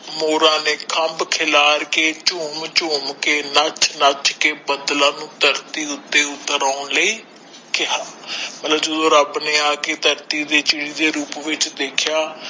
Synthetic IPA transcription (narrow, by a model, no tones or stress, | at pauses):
moːɾãːneːkʰəmbkʰɪlaːɾkeːt͡ʃʊːmt͡ʃʊːmkeːnət͡ʃʰnət͡ʃʰkeːbəd̪lãːnũːt̪əɾt̪iːʊt̪ːeːʊt̪ːəɾaːʊnləiː | kɪɦaːmət̪ləbd͡ʒəd̪õːɾəbneːaːkeːt̪əɾt̪iːd̪eːt͡ʃɪɽiːd̪eːɾuːpʋɪt͡ʃd̪eːkʰɪjaː